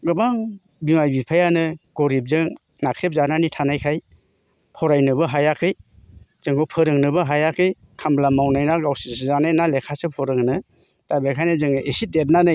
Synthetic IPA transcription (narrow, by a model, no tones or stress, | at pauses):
ɡɯbaŋ | bimajbipʰajanɯɡ̥oɾip̚zɯŋ | nakʰɾep̚zananitʰanajkʰaj | pʰɔɾajnɯbɯɦajakʰɯj | z̥ɯŋɡɔwpʰɯɾɯŋnɯbɯɦajakʰɯj | kʰamblamawnajnaɡawsiszanajnalekʰasɯpʰɔɾɯŋnɯ | tabekʰajnɯzɯŋʔesitet̚nanɯ